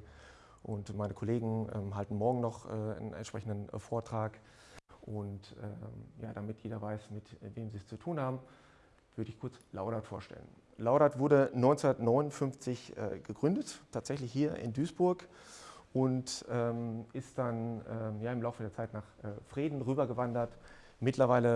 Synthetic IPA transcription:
ʔʊntmaɪnəkʰɔleːɡŋ̩ʔɛ̰ːmɦaltn̩mɔɐɡŋ̩nɔχʔɛːnɛ̰ntʃpʁ̥ɛçn̩dənfoːɐtʁ̥aːk | ʔʊntʔɛ̰ja̰ːdamɪtjeːdɐvaɪsmɪtveːmziːst͡sutʰuːnhaːbm̩ | v̥ʏɐdəɪçkʰʊɐt͡slaʊɾatfoːɐʃtɛ̰lə̰n | laʊɾatv̥ʊɐdənɔʏnt͡sʊndɐtnɔʏnʊnfʏnft͡sɪçʔɛ̰ːɡəɡʁʏndəttʰːaːtz̥ɛçlɪçhiːɐʔɪ̰ndyːsb̥ʊɐk | ʔʊntʔɛːmɪst̚d̥anʔɛːjaːɪmlaʊfədeːɐt͡saɪtnaːχʔɛːfʁ̥iːdn̩ʁyːbɐɡəvandɐt | mɪtlɐvaɪlə

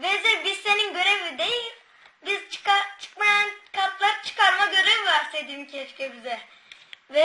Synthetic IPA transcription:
vɛzɛbiz̥se̞ninɟø̞ɾevid̪ejilʲ | bizt͡ʃʰɯ̥kat͡ʃʰɯ̥kmajankʰat̪lˠaɾɯt͡ʃʰɯ̥kʰaɾmaɟø̞ɾevvaɾsed̪iimcʰɛt͡ʃcɛbizɛ | vɛ

